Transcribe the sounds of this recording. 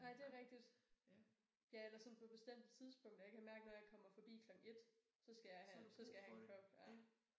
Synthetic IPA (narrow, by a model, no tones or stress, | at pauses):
nɑ̈ɪ̰d̥e̝æʁɛɡ̥̚d̥id̥ | jæelæsɒ̽npʰɒ̽b̥e̝sd̥em̰d̥ət͡sʰiðˠsb̥ɔ̽ŋ̰d̥ɐjɑ̈kʰæmæɐɡ̥ənɒjɑ̈ɪkʰɒ̽m̰ɐfɒ̽b̥ḭːkʰlɒ̽ɡ̥ŋ̩e̝d̥ | sɒ̽sɡ̥æjɑ̈ɪhæsɒ̽sɡ̥æjɑ̈hækʰlɔb̥jæ